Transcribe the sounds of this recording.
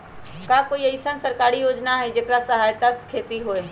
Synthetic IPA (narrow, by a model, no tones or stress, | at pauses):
kaːkoːiɐɪsənsəɾkaːɾijoːd͡ʒnaɦɛd͡ʒeːkɾasɐɦaːjt̪askʰeːt̪iɦoːe